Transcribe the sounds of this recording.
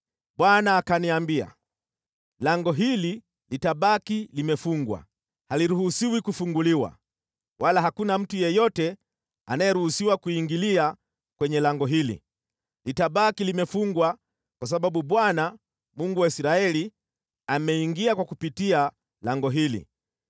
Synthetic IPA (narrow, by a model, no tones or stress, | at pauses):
ɓwanaːkaniambia̰ | laŋɡɔɦili | litaɓakilimɛfuŋɡwa̰ | haliɾuhusiwikufuŋɡuliwa̰ | walaɦakunam̩tujɛjɔtɛ | anajɛɾuhusiwakuiŋɡilia | kwɛɲɛlaŋɡɔɦilḭ | litaɓakilimɛfuŋɡwa | kwas̬aɓaɓuɓwana | muŋɡuwaisɾaɛli | amɛiŋɡiakwakupitia | laŋɡɔɦilḭ